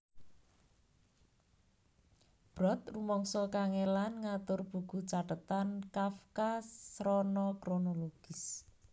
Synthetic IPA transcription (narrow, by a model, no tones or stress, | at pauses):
b̥ɾɔt̪̚rumɔŋsɔkaŋelanŋat̪ʊrb̥ṳɡ̥ṳt͡ʃaɖət̪ankafkasɾɔnɔkɾonoloɡ̥ɪs